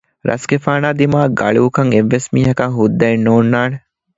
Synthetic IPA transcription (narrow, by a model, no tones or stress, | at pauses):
ɾʔɐ̰sɡefaːnaːd̪imaːɡɐ̰ɭuːkɐŋeʋːesmiːɦɐkɐŋɦud̪ːɐenːoːnːaːne